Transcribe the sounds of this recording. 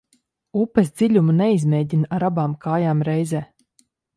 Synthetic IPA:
upɛsd̪ziʎʲumunɛizmʲɛjɟinaɾabaːmkʰaːjaːmɾɛjzɛː

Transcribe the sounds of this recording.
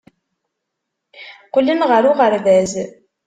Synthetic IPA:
qlinʁəɾuʁəɾðæz

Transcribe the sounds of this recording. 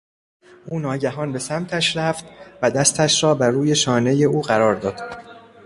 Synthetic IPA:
ʔuːnɒːɟæɦɒːnbe̞sæmt̪ʰæʃɾæft̪væd̪æst̪ʰæʃɾɒːbæɾuːje̞ʃɒːne̞je̞uːɢæɾɒːɾd̪ɒːd̪̥

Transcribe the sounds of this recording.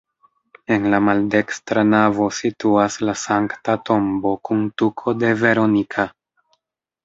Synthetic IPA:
e̞nlamalde̞kstɾanavo̞situaslasaŋktato̞mbo̞kuntukʰo̞de̞ve̞ɾo̞nikʰa

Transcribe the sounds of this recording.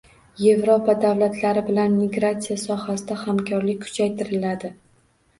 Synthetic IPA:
je̞vɾopad̪avlat̪ʰlaɾɪbɪlanːɪɡɾat̪sijasɒhasɪd̪ahamkʲʰɒɾlɪk̚ʲkʰʊ̥t͡ʃʰajt̪ʰɪɾɪlad̪ɪ

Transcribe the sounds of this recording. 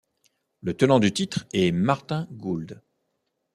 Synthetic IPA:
lət̪ənɑ̃d̪yt̪it̪χɛmaʁt̪ɛ̃ɡuld̪

